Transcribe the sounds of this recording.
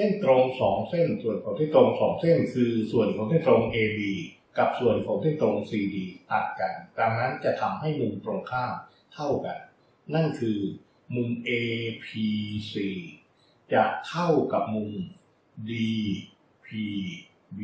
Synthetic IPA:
se˥˩nt̪ɾo˧ŋsɔː˩˦ŋse˥˩nsu˨˩ənkʰɔː˨˩˦ŋt̪ʰi˥˩t̪ɾo˧ŋsɔː˩˦ŋse˥˩nkʰɯː˧su˨˩ənkʰɔː˨˩˦ŋt̪ʰi˥˩t̪ɾo˧ŋʔeː˧diː˧ | ka˨˩p̚su˨˩ənkʰɔː˩˦ŋt̪ʰiː˥˩t̪ɾo˧ŋsiː˧diː˧t̪ʰa˨˩t̪̚ka˧nda˧ŋna˦˥nt͡ɕa˨˩t̪ʰa˧mɦa˥˩jmu˧mt̪ɾo˧ŋkʰaː˥˩m | t̪ʰa˥˩wka̰˧nː | a˥˩nkʰɯː˧ | mu˧ŋʔeː˧pʰiː˧siː˧˩ | t͡ɕa˨˩k̪ʰa˥˩wka˨˩p̚mu˧ŋ | diː˧ | pʰiː˧

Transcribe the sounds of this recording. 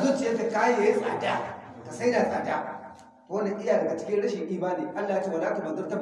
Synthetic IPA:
zu˦t͡ʃi˨ja˦ka˨ka˦je˨e˦sa̰ː˨da̰˦˨ka˨sa˦da˨sʼa̰ː˨da˦ | ko˦na˨ʔɪ˦ja˨dɐ˨ɡa˨t͡ʃɪ̥˦kʲɪ˦ɽɐ˦ʃi˨ŋɗʲi˦baː˦neː˨ʔa˦lːa˨ja˦t͡ʃeː˦wa˨la˦ka˨ba˨dʊ˦ta˦

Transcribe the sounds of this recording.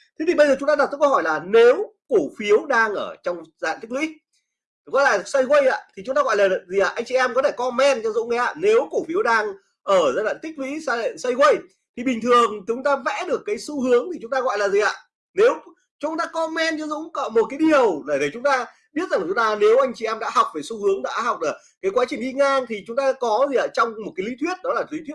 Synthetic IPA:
t̪ʰe˨˦t̪i˨˩ɓə˧jzəː˨˩t͡ɕʊ˨˦ŋ͡mt̪aː˧ɗ̚t̪ə˦˥kə˧hɔ˧˩jlaː˨˩ne˨˦wku˧˩fi˨˦əwɗaː˧ŋʔəː˧˩t͡ɕɔ˧wŋ͡maː˧a̰˧˨nt̪i˦˥k̚lwḭ˧˥˨ | ɔ˨˦jla̰ː˧˨sa˧jɣə˧jʔa̰ː˧˨t̪ʰi˨˩t͡ɕʊ˨˦ŋ͡mt̪aː˧ɣɔ̰˧˨jlaː˨˩˨zi˨˩ʔaː˨˩ʔa˧jŋ̟t͡ɕi˧ʔɛ˧mkɔ˨˦t̪ʰe˧˩kɔ˧mɛ˧nt͡ɕɔ˧zʊ̰˧˥ŋ͡mŋa˨˦a̰ː˧˩ne˨˦wku˧˩fi˨˦əwɗaː˧ŋ | ʔəː˧˩zaː˧ɗa̰ː˧˨nt̪ï˦˥k̚lwḭ˧˥saː˧lḛ˧˨nsə˧jɣə˧j | t̪ʰi˨˩ɓï˨˩ŋ̟t̪ʰɨ˨˩əŋt͡ɕt͡ɕʊ˨˦ŋ͡mt̪aː˧vɛ̰˧˥ɗɨ˨˩əkːaː˨˦jsu˧hɨ˨˦əŋt̪i˨˩t͡ɕʊ˨˦ŋ͡mt̪aː˧ɣɔ̰˧˨jlaː˨˩zi˨˩ʔa̰ː˨ | ne˨˦w | t͡ɕʊ˨˦ŋ͡mt̪aː˧kɔ˧mɛ˧nt͡ɕɔ˧zʊ̰˧˥ŋ͡mkɔ̰˧˨m˨˩t̚kaː˨˦jɗi˨˩əwɗe˧˩ɗe˧˩t͡ɕʊ˨˦ŋ͡mt̪aː˧ | ɓi˥t̚za˨˩ŋ˨˩ʊ˨˦ŋ͡mt̪aː˧ne˨˦wʔa˧jŋt͡ɕi˨ʔɛ˧mɗa̰ː˧˥ha˨˩wk͡p̚ve˨˩su˧hɨ˨˦əŋɗa̰ː˧˥ɦa˨˩wk͡p̚laː˨˩ | kaː˨˦jkwaː˨˦t͡ɕï˨˩ŋ̟ʔi˧ŋaː˧ŋt̪ʰi˨˩t͡ɕʊ˨˦ŋ͡mt̪aː˧kɔ˨˦zi˨˩ʔa̰ː˨˩t͡ɕɔ˧wŋ͡mmo˨˩t̚kaː˨˦jlḭ˧˥˦t̪ʰwi˦˥ət̚ɗnɔ˨˦laː˨˩li˨˥t̪wi˦˥

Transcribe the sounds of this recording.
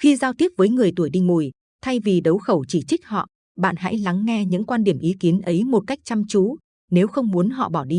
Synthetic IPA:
xi˧zaː˧wt̪i˦˥əp̚vəː˨˦jŋɨ˨˩əjt̪u˧˩əjɗḭ̈˧ŋmu˧˩j | t̪ʰa˧jvi˨˩ɗə˨˦wxə˧˩wt͡ɕi˧˩t͡ɕï˦˥k̟̚hɔ̰˧˨ | ɓa̰ː˧˨nha̰˧˥jla˨˦ŋːɛ˧ɲɨ̰˧˥ŋkwaː˧nɗi˧˩əmʔi˨˦ki˨˦ənʔə˨˦jmo˨˩t̚ka˦˥jk̟̚t͡ɕa˧mt͡ɕu˨˦ | ne˨˦wxə˧wŋ͡mmu˨˦ənɦɔ̰˧˨ɓɔ˧˩ɗi˧

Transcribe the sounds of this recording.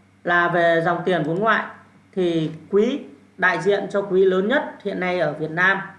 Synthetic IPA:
laː˨˩ve˨˩za˨˩wŋ͡mt̪i˨˩ənvu˨˦nŋwa̰ː˧˨j | t̪ʰi˨˩kwi˨˦ | ɗa̰ː˧˨jzḭ˧˨ənt͡ɕɔ˧kwi˨˦ləː˨˦nɲə˦˥t̚hḭ˧˨ənːa˧jʔəː˧˩vi˨˩ət̚naː˧m

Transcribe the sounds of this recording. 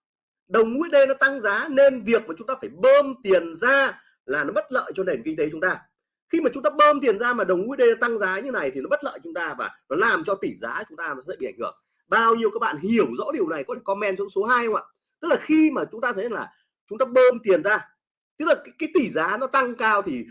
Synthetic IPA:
ɗə˨˩wŋ͡mŋṵ˧˥əjɗe˧nɔ˨˦t̪a˧ŋzaː˨˦ne˧nvi˨˩ək̚maː˨˩t͡ɕʊ˨˦ŋ͡mt̪aː˧faː˧˩jɓəː˧mt̪i˨˩ənzaː˧ | laː˨˩nɔ˨˦ɓə˦˥t̚lə̰ː˧˨jt͡ɕɔ˧ne˨˩nki˧ŋ̟t̪e˨˦t͡ɕʊ˨˦ŋ͡mt̪aː˧ | xi˧maː˨˩t͡ɕʊ˨˦ŋ͡mt̪aː˧ɓəː˧mt̪i˨˩ənzaː˧maː˨˩ɗə˨˩wŋ͡mŋṵ˧˥əjɗe˧n˨˦t̪a˧ŋzaː˨˦ɲɨ˧na˨˩jt̪i˨˩nɔ˨˦ɓə˦˥t̚lə̰ː˧˨jt͡ɕɔt͡ɕʊ˨˦ŋ͡mt̪aː˧vaː˨˩nɔ˨˦laː˨˩mt͡ɕɔ˧t̪i˧˩zaː˨˦t͡ɕʊ˨˦ŋ͡mt̪aː˧nɔ˨˦szɛ̰˧˥ɓḭ˧˨˧jŋhɨ˧˩əŋ | ɓaː˧wɲi˧əwkaː˦˥k̚ɓa̰ː˧˨nhi˧˩əwzɔ̰˧˥ɗi˨˩əwna˨˩jkɔ˨˦t̪ʰe˧˩kɔ˨˧˦mɛ˧nt͡ɕə˦ŋso˨˦ɦaː˧jhə˧wŋ͡mʔa̰ː˧˨ | t̪ɨ˦˥k̚laː˨˩xi˧maː˨˩t͡ɕʊ˨˦ŋ͡mt̪aː˧t̪ʰə˨˦jlaː˨˩ | t͡ɕʊ˨˦ŋ͡mt̪aː˧ɓə˧mt̪i˨˩ənzaː˧ | t̪ɨ˦˥k̚laː˨˩kaː˨˦kaː˨˦jt̪i˧˩zaː˨˦nɔ˨˦t̪a˧ŋkaː˧wt̪ʰi˨˩

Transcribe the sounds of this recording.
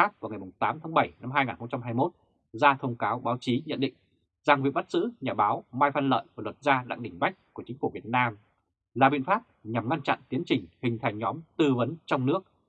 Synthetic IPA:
a˦˥p̚ku˧˩ŋa˨˩jmʊ˨˩ŋ͡mt̪aː˨˦mt̪ʰaː˨˦ɓə˧˩jna˧mɦaː˧jŋaː˨˩nxə˧ŋ͡mt͡ɕa˧mɦaː˧jmo˦˥t̚ | zaː˧t̪ʰə˧wŋ͡mkaː˨˦wɓaː˨˦wt͡ɕi˨˦ɲə̰˧˨nɗḭ̈˧˨ŋ̟ | zaː˨˩ŋvi˨˩ək̚ɓa˦˥t̚zɨ̰˧˥ɲaː˨˩ɓaː˨˦wmaː˧jfa˧nlə̰ː˧˨jku˧˩lwə˨˩t̚zaː˧ɗa̰˧˨ŋɗï˨˩ŋ̟ɓa˦˥jk̟̚ku˧˩ət͡ɕï˨˦ŋ̟fu˧˩vi˨˩ət̚naː˧m | laː˨˩ɓḭ˧˨ənfaː˦˥p̚ɲa˨˩mŋa˧nt͡ɕa̰˧˨nt̪i˨˦ənt͡ɕï˨˩ŋ̟hï˨˩ŋ̟t̪ʰa˨˩jŋ̟ɲɔ˨˦mt̪ɨ˧və˨˦nt͡ɕɔ˧wŋ͡mnɨ˦˥ək̚

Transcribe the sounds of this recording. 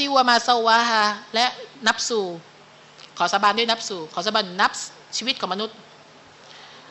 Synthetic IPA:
tiː˧ʔu˧ɐmaː˧sa˧wa˧ɦa˧˩lɛ˦˥ʔna˦˥p̚suː˨˩ | kʰɔː˩˦sa˧baː˧ndu˥˩˨na˦˥p̚suː˨˩kʰɔː˨˦sa˧baː˧nna˦˥p̚ | t͡ɕʰiː˧i˦t̪̚kʰɔː˩˦ma˧nu˦˥t̪̚

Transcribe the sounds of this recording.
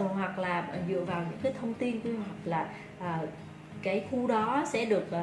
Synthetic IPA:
ə˨˩ɦwa˨˩k̚laː˨˩˨zɨ̰˧˨əvaː˨˩wɲɨ̰˧˥ŋkaː˨˦jt̪ʰə˧wŋ͡mt̪i˧nku˧hwa˨˩k̚laː˨˩ | ʔəː˨˩ | kaː˨˦jxu˧ɗɔ˨˦sɛ̰˧˥ɗɨ˨˩ək̚ʔ

